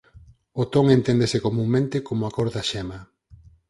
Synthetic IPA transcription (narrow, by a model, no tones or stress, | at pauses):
ot̪oŋent̪end̪esekomũŋmẽnt̪ekomʊakoɾðaʃɛma